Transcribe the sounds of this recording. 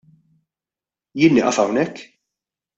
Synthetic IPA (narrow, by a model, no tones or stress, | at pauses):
jɪːnːɪʔɐfɐwnɛkː